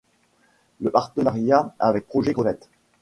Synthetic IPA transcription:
ləpaʁt̪ənaʁjaa̰ːvɛk̚pχɔʒɛɡʁəvɛt̪

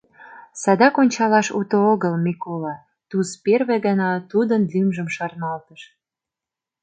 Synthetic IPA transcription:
sɑd̪ɑkonʲt͡ɕɑlɑʃṵt̪ooɣəlmikolɑ | t̪uzperβeɣənɑt̪ud̪ənlymʒəmʃɑrnɑlt̪əʃ

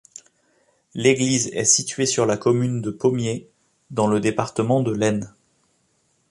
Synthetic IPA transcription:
leɡlizɛ̰sit̪ɥesyʁlakɔmynd̪əpomje | d̪ɑ̃ləd̪epaʁt̪əmɑ̃d̪əlɛn

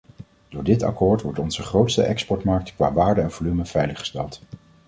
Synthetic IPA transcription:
dʊːɹdɪtɑ̰koːɹtʋɔɹtɔnz̥əχrowtstə̰ʔɛkspɔɹtmɑɹk̚tkʋa̰ːʋaːɹdəɛnv̥olyməv̥ɛjləχə̥stɛlˠt

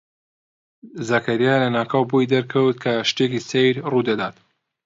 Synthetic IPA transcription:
zɐkʰɐɾijalɐnaːkʰawbujd̪ɐɾkʰɐwt̪̚kʰɐʃt̪ekisejɾruːd̪ɐd̪aːt̪

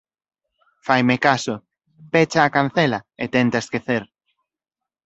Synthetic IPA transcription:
fajmekasʊ | pet͡ʃaːkan̟θelɐet̪ɛnt̪aeskeθeɾ

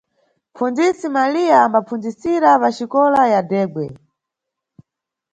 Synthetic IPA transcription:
p͡fund͡zisimalijaːmbapfund͡zisiɾapaʃikɔlajadɛːɡwɛ

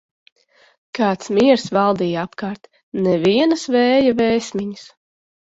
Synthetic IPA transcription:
kaːt̪smiɛɾsvɑlˠd̪iːjapkaːɾt̪ | nɛviɛnɨsvɛːjavɛːsʲmʲiɲis

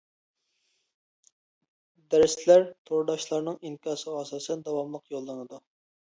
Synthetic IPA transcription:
d̪æɾslæɾt̪ʰoɾd̪ɑʃlˠɑɾnɨŋinkʲɑːsəʁɑɑsɑːsɛnd̪ɑwɑmlˠəqjolˠːɨnɨd̪u

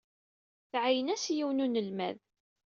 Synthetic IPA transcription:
θʕajənæsjiwnunəlmæ̰ð

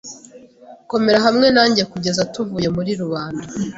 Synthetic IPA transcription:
ko̞me̞ɾaɦamŋe̞naːɲɟiekuɟe̞zatuvuːje̞muɾiɾuβaːnda

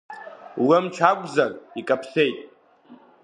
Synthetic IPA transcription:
wamt͡ʃʰakʷʼzarʼikʼapʰsejtʼ

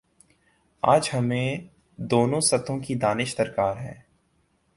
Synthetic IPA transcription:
aːd͡ʒɦɐmẽ | d̪oːnõsɐt̪ʰõkid̪aːnɪʃt̪əɾkaːɾɦɛ̰̃ː

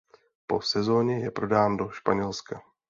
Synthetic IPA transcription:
po̞sɛzo̞ːɲɛjɛpɾo̞daːndo̞ʃpaɲɛlska

